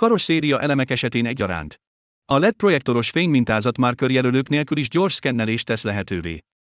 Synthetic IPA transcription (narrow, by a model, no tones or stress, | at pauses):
kɒɾo̞ʃseːɾijɒʔɛlɛmɛkɛʃɛt̪eːnɛɟːɒɾa̰ːnt̪ | ɒlɛk̚pro̞jɛk̚t̪o̞ɾo̞ʃfeːɲmint̪aːzɒt̪maːrkørjɛløløːkneːlkyliʒɟo̞rʃkɛnːɛleːʃt̪ːɛslɛɦɛt̪øːvḛː